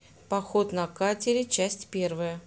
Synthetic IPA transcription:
pɐxo̞t̪nɐkatʲɪɾʲɪt͡ɕæsʲtʲpʲe̞rvəjə

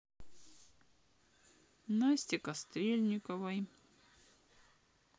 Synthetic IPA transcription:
nasʲtʲɪkɐst̪ɾʲelʲnʲɪkɐvɐj

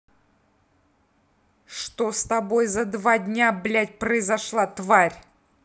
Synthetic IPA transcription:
ʂt̪ost̪ɐbojzɐd̪vadʲnʲablʲætʲpɾəɪzɐʂlˠat̪vaɾʲ

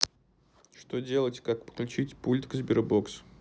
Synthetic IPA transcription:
ʂt̪odʲe̞lˠətʲkakpə̥klʲʉt͡ɕitʲpulʲt̪kzbʲɪɾboks

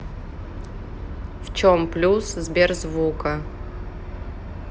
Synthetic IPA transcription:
ft͡ʃomplʲuszbʲerzvukɐ

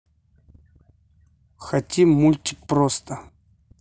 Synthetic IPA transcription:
xɐtʲimulʲtʲɪk̚pɾost̪ə

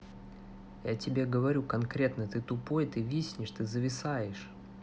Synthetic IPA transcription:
jatʲɪbʲe̞ɡəvɐɾʲukɐnkɾʲe̞t̪nət̪ɨt̪ʊpo̞jt̪ɨvʲisʲnʲɪʂt̪ɨzəvʲɪsajɪʂ

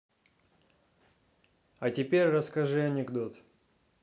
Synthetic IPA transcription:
ɐtʲɪpʲerʲrəskɐʐɨɐnʲɪɡd̪o̞t̪

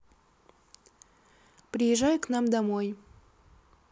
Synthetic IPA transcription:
pɾʲɪjɪʒajʊknɑmd̪amoj

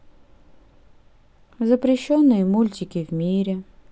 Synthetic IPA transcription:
zəpɾʲɪɕːonːɨjəmulʲtʲɪkʲɪvmʲiɾʲɪ

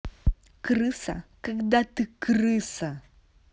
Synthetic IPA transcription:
kɾɨsɐ̰kɐɡd̪at̪ɨkɾɨsɐ

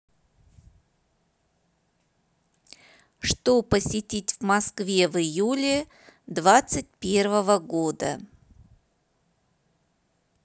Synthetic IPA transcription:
ʂt̪opəsʲɪtʲitʲvmɐskvʲe̞vɨjulʲɪ | d̪vat̪sɨt̚ʲpʲe̞rvəvəɡod̪ə̰

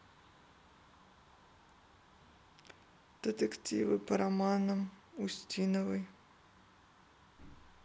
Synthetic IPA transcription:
d̪̥et̪ekt̪ʲiʋɪpɐɾɐmɑnɐmusʲtʲinɔʋɪj

